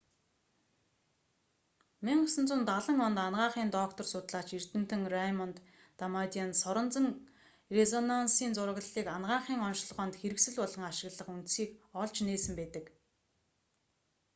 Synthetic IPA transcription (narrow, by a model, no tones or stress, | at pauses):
miɴɢəsə̆nt͡sʊːnt̪aɮə̆ŋɔnt̪anʁaːχiːnt̪ɔkt̪ɔ̆rsʊːt̪ɮaːt͡ɕir̥t̪ɘ̆m̥t̪ɘ̆ŋrajmɔnt̪ː | amat̪ʲiansɔɾɞ̆nt͡sə̆ŋ | rezɔnansiːnt͡sʊɾə̆ɣɮiːkanʁaːɴχiːŋɔnʃɮʁɔːnt̪xeɾɘ̆ksɘ̆ɮpɔɮɞ̆ŋaʃɪ̆ɣɮə̆χunt̪siːkɔɮt͡ɕneːsɘ̆mpæːt̪ə̆k